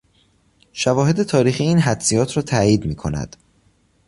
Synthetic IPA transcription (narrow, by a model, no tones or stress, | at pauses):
ʃævɒːɦe̞d̪e̞t̪ʰɒːɾiːxiːiːnɦæd̪sijɒːt̪ʰɾɒːt̪ʰæːjiːd̪miːkʰo̞̰næ̰d̪̥